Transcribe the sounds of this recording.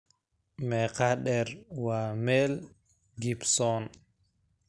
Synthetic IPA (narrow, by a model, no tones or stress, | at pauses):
mɛkaɗɛɾwamɛl | ɡipsɔn